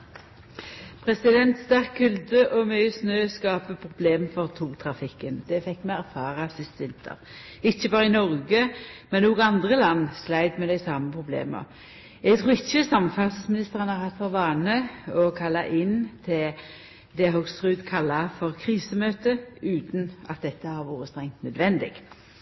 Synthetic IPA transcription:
pʰʁɛsɪd̪ɛnt̪st̪æʁkʰːʉld̪əʔɔmœʏsnøːskɑːpəpʰʁʊbleːmfɔʁt̪ʰuːʁt̪ʰʁɑfɪkːənd̪̥ɛfɛkːmɛæʁfɑːʁɑsɪst̪əʋɪnt̪ʰə̰ʁ | ɪçːəbɑːʁəɪnɔʁɡəmɛnoːɡɑnd̪ʁəlɑnːslæɪd̪mɛːd̪æɪsɑːməpʰʁʊblḛːmə̰ | ɛɡ̚t̪ʰʁuːɪçːəsɑməfɑʁsəsmɪnɪst̪əʁənhɑʁhɑt̪fɑʁʋɑːnəɔkʰɑlːɑʔɪnt̪ʰɪl | d̪ɛɦœɡsʁʉːd̪kʰɑlːɑfɔʁkʰʁiːsəmøːt̪əʉːt̪nʔɑ̰t̪̚d̪ɛt̪ːəhɑɾʋuːɾəst̪ʁɛŋt̪nœd̪ʋɛnd̪ɪ̰ɡ̥

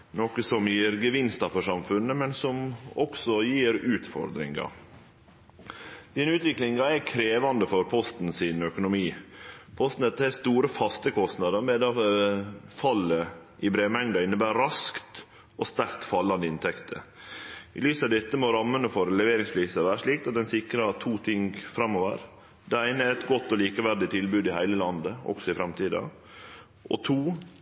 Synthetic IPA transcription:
noːkəsɔmjiːɾɡəʋɪnst̪ɑfɔʂɑmfʉnːəmɛnsɔmɔ̰ksɔjiːɾʉːt̪fɔ̰ɾd̪ɾɪ̰ŋɑ̰ | d̪̥iːnəʉːt̪ʋɪklɪŋɑækʰɾeːʋɑnd̪əfɔɾpʰɔst̪nsɪnœkʊnʊmiːpʰɔst̪n̩ɛt̪ːəɛst̪uːɾəfɑst̪əkʰɔst̪nɑd̪əɾmɛd̪ɑ | fɑlːəɪbɾeːmɛŋd̪ɑɪnːəbæːɾɾɑskt̪ | ɔst̪æɾkt̪fɑlːɑnd̪əɪnt̪ʰɛkt̪ʰə̰ | ɪ̰lyːsɑʋd̪ɛt̪ːəmɔɾɑmːənəfɔɾlɛʋeːɾɪŋspʰliːsəɾʋæːɾəʂɭiːkt̪ɑt̪̚d̪ɛnsɪkɾəɑt̪ʰuːt̪ʰɪŋɡfɾɑmːoʋə̰ɾ | d̪ɛæɪnəæɾɛt̪ɡɔt̪ːɔliːkəʋæɾɖ̪ɪt̪ʰɪlbʉːd̪ɪhæɪləlɑnd̪əɔ̰ksɔɪfɾɑmt̪ʰiːd̪ɑ̰ | ʔɔ̰t̪ʰuː

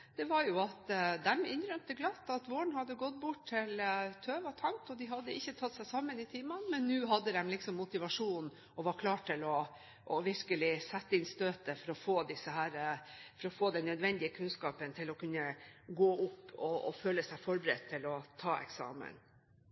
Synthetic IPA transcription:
d̪̥ɛʋɑɾjʊɑt̪d̪ɛmɪnɾœmt̪əɡlɑt̪ːɑt̪ʋoːɳ̩hɑd̪ːəɡɔt̪̚ːbʊʈʰɪlt̪ʰøːʋɔt̪ʰɑŋt̪ɔd̪ɪɦɑd̪ːəɪçːət̪ʰɑt̪ːsæɪsɑmːənɪt̪ʰiːmɑnmɛnːʉːɦɑd̪ːəd̪ɛmlɪksɔmːʊt̪ɪʋɑʂuːn | ɔʋɑɾkʰlɑːʈʰɪlɔ | ʔɔʋɪɾkəlɪsɛt̪ːəɪnst̪øːt̪əfɔɾɔfoːd̪ɪsəhæːɾəfɔɾɔfoːd̪ɛnːœd̪ʋɛnd̪ɪəkʰʉnskɑːpənt̪ʰɪlɔkʉnːəɡoːʔʊpːɔɔføːləsæɪfɔɾbəɾɛ̰t̪ʰːɪlɔt̪ʰɑːɛ̰ksɑ̰ːmə̰n

